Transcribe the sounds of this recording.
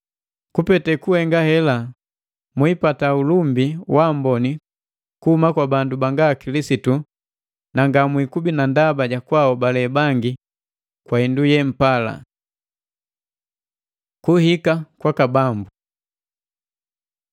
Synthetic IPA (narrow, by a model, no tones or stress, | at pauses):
kupɛtɛkuhɛŋɡahɛla | mwipataulumbiwambɔni | kuhumakwabandubaŋɡakilisitu | naŋɡamwikubinandabaɟakwaɔbalɛbaŋɡi | kwaɛndujɛm̩pala̰ | kuhikakwakabambu